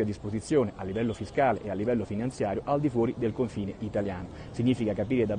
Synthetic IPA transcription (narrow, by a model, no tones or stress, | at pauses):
ad̪ːispozit̪sːjoːneʔalːivɛlːofiskaːleʔealːivɛlːofinant̪sjaːɾjoʔald̪ifwɔːɾid̪elkoɱfiːneit̪aljaːno | siɲːiːfikakapiːɾed̪a